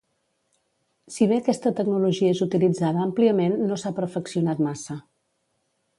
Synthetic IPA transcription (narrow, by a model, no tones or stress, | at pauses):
siβ̞eəkɛst̪ət̪əɡnuluʒiəezut̪ilid͡zaðəːmpliəmenːosapəɾfəksiunat̪masə